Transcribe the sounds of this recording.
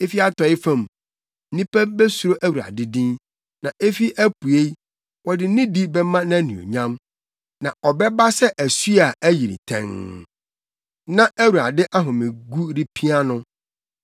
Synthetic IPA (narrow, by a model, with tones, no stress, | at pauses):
e˦fi˦a˨tɔ˨ɪ˦fã˦˨m̩˦ | ĩ˦pʰæ˦bɛ˦su˨ɾo˦ʔæ˦˨wu˨ɾa̰˨dɪ˦dĩ˦n | nã˨ʔe˦fi˦ʔæ˦pu˨e˦ | wɔ˨dɪ˨˦nɪ̃˦di˦bɛ˦mã˦nã˦nĩ˨o̰˨ɲã˦m | nã˨ɔ˨bɛ˦ba˦sɛ˦ʔæ˨su˦a˨ʔæ˦ji˨ɾḭ˨tʰɛ̰̃˦˨ŋ | nã˦ʔæ˦wu˨ɾa̰˨dɪ˦ʔa˦ɦʊ̃˨mɪ̃˨ɡu˦ɾi˦pʰi˦a˦nʊ̃˦